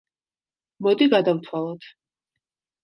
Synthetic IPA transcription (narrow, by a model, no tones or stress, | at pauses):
mɔd̪iɡad̪avt̪ʰwalˠɔt̪